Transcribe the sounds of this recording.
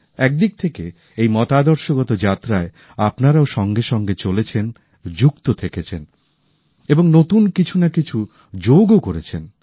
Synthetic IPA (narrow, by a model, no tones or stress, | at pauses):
ɛk̚d̪ik̚t̪ʰeke | ejmɔt̪ad̪ɔɾʃoɡɔt̪od͡ʑat̪ːɾae | apnaɾaoʃɔŋɡeʃɔŋɡet͡ɕolet͡ɕʰen | d͡ʑukt̪ot̪ʰeket͡ɕʰen | eboŋnot̪unkit͡ɕʰunakit͡ɕʰu | d͡ʑowɡokoɾet͡ɕʰen